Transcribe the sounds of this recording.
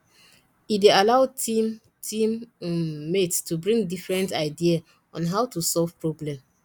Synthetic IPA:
idealaʊtim | tʰĩmː | ettubɹĩŋɡdifɹɛ̃ntaɪdia | ɔ̃nɦaʊtusɔlvpɹoblɛ̃m

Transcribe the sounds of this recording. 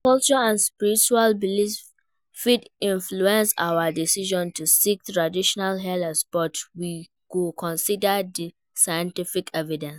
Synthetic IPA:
kɔlt͡ʃuaãnspiɹit͡ʃualbilis | fidĩnfluɛ̃nsa̰wədisiʒɔ̃ntusik̚tɹadiʃɔnalɦɛlsb̥ɔtwi | kukʰɔ̃nsidədi | sajɛ̃ntifikʰɛvidɛ̃ns

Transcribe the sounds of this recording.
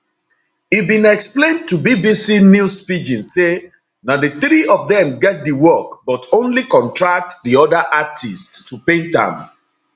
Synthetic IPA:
ibĩnɛksplẽntubibisinjuspid͡ʒĩnse | nadeθɹiʔɔvðɛ̃mɡɛt̚diwɔk̚bɔtõnlikɔ̃ntʰɹak̚tdiɔdəʔatʰisttʰːupẽntã̰m

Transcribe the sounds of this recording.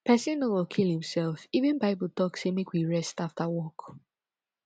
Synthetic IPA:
pʰɛsĩnɔwɔkʰilˠhĩmsɛlfivɨ̃nbaɪbətʰɔksɛmikwiɹɛstaftəwɔk

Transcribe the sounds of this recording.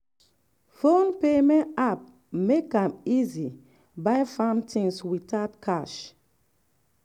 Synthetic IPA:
fõnpemɛ̃nap̚ | mekãmizi | bajfãntʰĩŋswitatkʰaʃ

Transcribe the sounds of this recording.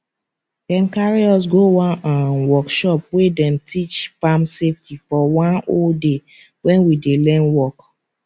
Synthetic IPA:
kɛ̃nkaɹiɔs̬ɡowɔ̃nãnwɔkʃɔp̚wedɛ̃mtʰit͡ʃfamseftifɔwãnolde | wɛ̃nwidelɛ̃nwɔk

